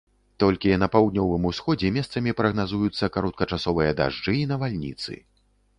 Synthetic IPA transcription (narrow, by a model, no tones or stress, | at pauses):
t̪ɔlʲkʲinɐpawd̪nʲɔvɨmusxɔd͡zʲɛmʲɛst̪sɐmʲipɾɐɣnazujut̪sːɐkaɾɔt̪̚kɐt͡ʂasɔvɨjɐd̪a̰ʐd͡ʐɨinɐvalʲnʲḭt̪sɨ̰